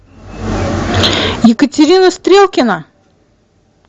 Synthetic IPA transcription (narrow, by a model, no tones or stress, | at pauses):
jɪkətʲɪɾʲinəst̪ɾʲelˠkʲɪnə